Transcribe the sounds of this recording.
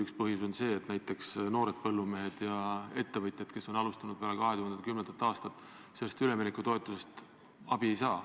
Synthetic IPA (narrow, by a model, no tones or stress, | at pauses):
ykspɤɦjuso̞nse̞ːt̪næjt̪ˑːe̞ksno̞ːɾe̞d̪̥̚pɤlːume̞ɦed̪̥jɑe̞t̪ːe̞vɤt̪ˑjɑd̪ke̞so̞nɑlust̪ɑnud̪̥peɑlekɑɦe̞t̪uhend̪kymnend̪ɑt̪ːˑɑːst̪ɑt̪ːˑ | se̞lːest̪yle̞minekːˑut̪o̞e̞t̪ˑːuse̞st̪ | ɑb̥ie̞jsɑː